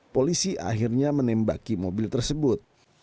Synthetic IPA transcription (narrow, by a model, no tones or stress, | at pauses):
polisiʔa̰ɦirɲamənɛmba̰kimobɪlt̪ərsəbʊt̪̚